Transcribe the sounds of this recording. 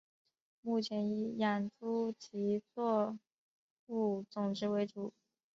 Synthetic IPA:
mu˥˩t͡ɕʰjɛ˧˥ni˧˥˩ja˨˩nt͡su˥t͡ɕʰi˧˥t͡swɔ˥˧ | u˥˩t͡sʊ˨˩ŋʈ͡ʂɻ̩˧˥we˧˥ɪʈ͡ʂu˨˩˦

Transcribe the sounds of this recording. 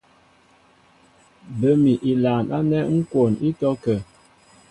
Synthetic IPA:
bə˨mi˨ʔi˨laː˨nʔa̰˦nɛ˦ŋ̩˦ko˨ni˦tɔ˦kə˨

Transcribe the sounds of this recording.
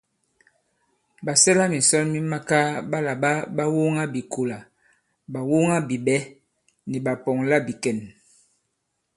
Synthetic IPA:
ba˨sɛ˦la˦mi˨sɔ˦nmi˦ma˦ka˦ba˦la˨ba˦ba˦wu˦ŋa˦bi˨kʰo˨la˨ | ba˨wu˦ŋa˦bi˨bɛ˦ | ni˨ba˨pɔ˨ŋla˦bi˨kɛ˨n

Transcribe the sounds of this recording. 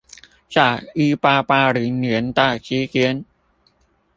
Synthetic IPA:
t͡ɕaː˨˩ʔɯː˧paː˧paː˧ɾɯː˩˦nɯ˨˩˦ənt̪aː˧˩k̚t͡ɕʰiː˨˦˥ki˧˦ən

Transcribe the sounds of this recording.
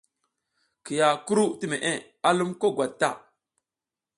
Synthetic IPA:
ki˨ja˨ku˦ɾu˦ti˦me˨ʔe˦ | a˦lu˦mko˦ɡwa˨d̚tːa̰˦˨

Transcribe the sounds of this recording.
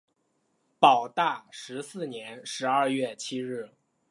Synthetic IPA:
pɑ˨˩ʊt̪a˥˩ʂɻ̩˧˥sɹ̩˥˩njɛ˧˥nʂɻ̩˧˥ɐ˥˧ɥɛ˥˩t͡ɕʰi˥ɻɻ̩˥˩

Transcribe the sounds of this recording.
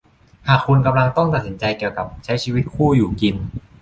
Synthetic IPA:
haː˨˩kʰːu˧nka˧mla˧ŋt̪ɔ˥˩ŋt̪a˨t̪̚si˩˦nt͡ɕa˧jki˨˩əwka˨˩p̚t͡ɕʰa˦˥jt͡ɕʰiː˧wi˦˥t̪̚kʰuː˥˩juː˨˩ki˧n

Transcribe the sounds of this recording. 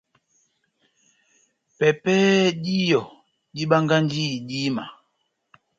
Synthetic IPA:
pɛ˨pɛː˦di˦jɔ˨ | ɗi˦ɓa˦ŋɡa˦n˦di˦˨di˦ma̰˨

